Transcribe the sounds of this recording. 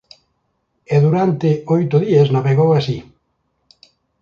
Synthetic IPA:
eðuɾant̪eojt̪ʊðiaznaβeɣowasi

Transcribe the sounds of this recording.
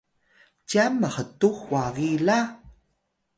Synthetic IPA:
camːəxətuxwaɣila

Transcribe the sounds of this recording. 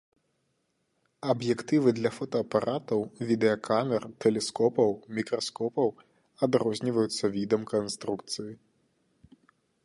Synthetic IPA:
ɐbjɛkt̪ɨvɨd̪lʲɐfɔt̪ɐːpaɾʔat̪ɐwvʲid̪ɛɐkʰamʲɛrt̪ɛlʲɛskɔpɐwmʲikɾɐskɔpɐw | ɐd̪ɾɔzʲnʲivɐjut̪sːɐvʲid̪ɐmkɐnst̪ɾukt̪sɨji

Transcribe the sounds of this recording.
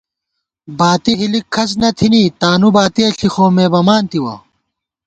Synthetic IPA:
baːt̪iɦilikʰɐs̬nɐt̪ʰiniːt̪aːnubaːt̪iɐɬixoːmeːbɐmaːnt̪iwɐ̰

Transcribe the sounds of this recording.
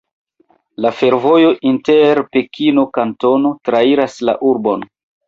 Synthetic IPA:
lafe̞ɾvo̞jo̞ʔinteɾpe̞kʰino̞kanto̞no̞tɾaiɾasla̰ʔuɾbo̞n

